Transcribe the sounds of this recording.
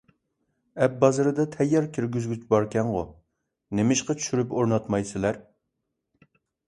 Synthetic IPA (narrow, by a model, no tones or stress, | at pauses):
ɛp̚bɑzɨɾɨd̪ɑt̪ʰɛjːɑɾkʲʰiɾɡʲyzɡʲyt͡ʃbɑɾkʲɛŋʁo̰ | nemɪʃqɑt͡ʃʰy̥ʃyɾypoɾnɑt̪mɑjsɪlæɾ